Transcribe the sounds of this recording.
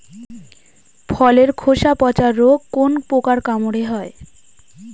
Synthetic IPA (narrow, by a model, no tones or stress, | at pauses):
pʰɔleɾkʰoʃapɔt͡ɕaɾːoɡkonpokaɾkamoɽeɦɔe